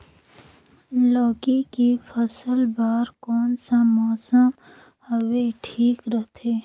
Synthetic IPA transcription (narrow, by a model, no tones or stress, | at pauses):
lɔːkikipʰəsəlbaːɾkɔːnsamɔːsəm | həweʈʰiːkɾəɦt̪ʰeː